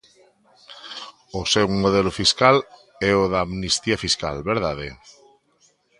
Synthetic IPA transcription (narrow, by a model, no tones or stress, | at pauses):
osɛwmoð̞ɛlofiskal | ɛoðaːmnist̪iafiska̰lβeɾðaðḛ